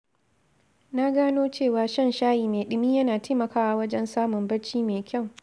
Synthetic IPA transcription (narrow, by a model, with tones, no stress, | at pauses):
na˦ɡaː˦noː˦t͡ʃeː˦˨waː˨ʃɐ˦nʃaː˦jiː˨meː˨ɗɪ˨miː˦jɐ˦naː˨te˦mɐ˨kaː˦wa˨wɐ˦d͡ʒɛ˦nsaː˦mʊ˨mbɐ˦ɽt͡ʃiː˦meː˨kʲʰɐ˦˨w